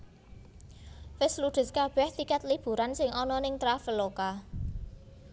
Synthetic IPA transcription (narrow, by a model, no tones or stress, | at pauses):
fɪsluɖ̪̥ə̤skab̥ɛht̪ikat̪lib̥ṳɾansɪŋɔnɔnɪŋt̪ɾafəloka